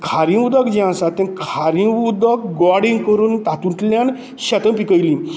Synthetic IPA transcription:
kʰaɾĩud̪əkd͡ʑĩãsat̪ːɛ̃kʰaɾĩud̪əkɡɔɽĩŋɡkəɾuːnt̪at̪uʈljãn | ɕat̪ə̃pikəjlĩ

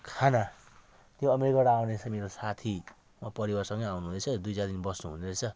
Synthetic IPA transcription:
kʰana | t̪joʌmeɾikaɽaːwnet͡sʰʌmeɾosat̪ʰi | mapʌɾiwarsʌ̃ŋɡʌawnuɦũd̪ʌt͡sʰʌd̪ujt͡sad̪inbʌsnuɦuneɾʌt͡sʰʌ

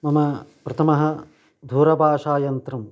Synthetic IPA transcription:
mɐmɐpɾɐt̪ʰɐmɐɦɐ̆ | d̪ʱuːɾɐbʱaːʂaːjɐnt̪ɾɐm

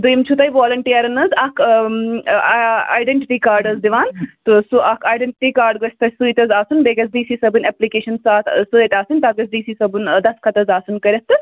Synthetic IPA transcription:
d̪ɨjmt͡ʃʰut̪ɐjʋaːlɐɳʈijɐɾɐnɐzɐkʰ | a̰ːjɖeɳʈiʈiːkaːɾɖɐzd̪iʋaːnt̪ɨsuʔakʰaːjɖeɳʈi̥ʈikaːɾɖɡost̪ɐsuit̪ɐzaːsunbekɐzɖ̪iːsiːsɐbɨneplikeːʃɐnsaːt̪ʰsɨet̪ʲaːsɨnʲt̪ɐkʲɐzɖiːsiːsɐbund̪ɐskʰɐt̪ɐzaːsunkɐɾʲɐst̪ɨ

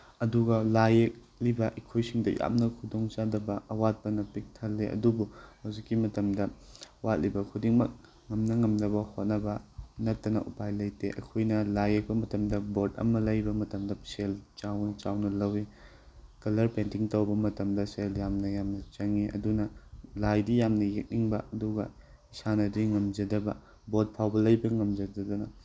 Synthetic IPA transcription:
ɐduɡɐlajek̚ | libɐʔɐkʰojsiŋdɐ̰ja̰mnɐkʰudoŋt͡ʃadɐbɐɐwat̚pɐnɐpik̚tʰɐlːiʔɐ̰dubuhɐwzikːimɐtɐmdɐwat̚libɐkʰudiŋmɐ̰k̚ | ŋɐmnɐŋɐmnɐbɐhot̚nɐbɐnɐtːɐnɐ̰ʔupajlɐjtḛʔɐ̰kʰojnɐlajek̚pɐmɐtɐmdɐbodɐ̰mɐlɐjbɐmɐtɐmdɐselt͡ʃawnɐt͡ʃawnɐlɐwi | kɐlɐɾpentiŋtɐwbɐmɐtɐmdɐseljamnɐjamnɐt͡ʃɐŋiʔɐ̰dunɐlajdijamnɐjek̚niŋbɐʔɐduɡɐ | isanɐdiŋɐmzɐdɐbɐ | bot̚pʰawbɐlɐjbɐŋɐmzɐdɐdɐnɐ

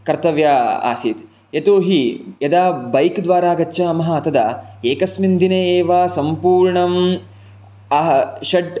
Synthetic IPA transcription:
kɐɾt̪ɐʋjaa̰ːsiːt̪ | jet̪oːɦijɐd̪aːbɐjkd̪ʋaːɾaːɡɐtːt͡ʃɐɐmɐɦɐːt̪ʰɐd̪ɐeːkɐsmind̪ʱineeːʋaːsɐmpuːɾɳɐm | ɐɦʃɐɖ

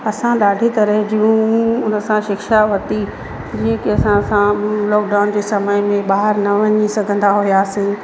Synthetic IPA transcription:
ɐsãɗaːɖʱit̪ɐɾəɦd͡ʑiũʊnə̆sãʃɪkʃaʋɐt̪i | d͡ʑĩːkɪɐsãsãlɔːkɖaːʊnd͡ʑeːsɐməjmẽɓaːɦɪɾnɐʋɐɲisɐɡʱə̃nd̪aɦʊjaːsĩ

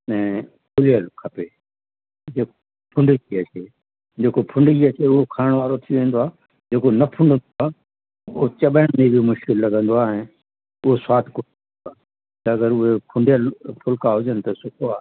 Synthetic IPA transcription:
ɛ̃ː | kʰʊlijəlkʰɐpe | d͡ʑeːko | pʰʊ̃ɳɖit͡ɕʰiɐt͡ɕe | d͡ʑeːkopʰʊ̃ɳɖɪd͡ʑiɐt͡ɕeʊɦokʰaːɾɪɽ̃ʋaːɾot̪ʰijoʋẽːn̆d̪oaː | d͡ʑeːkonɐpʰʊ̃ɳɖə̃nd̪oaː | ʊɦot͡ɕɐɓəːɽ̃d̪ibʱimʊʃkɪlːɐɡʱə̃nd̪oaːɦɪn | ʊɦoswaːt̪ʰkʊ̃ | oaː | t̪ɐɐɡəɾʊɦepʰʊ̃ɳɖijəlpʰʊlkaɦʊd͡ʑənɪt̪ɐsʊkʰoaː

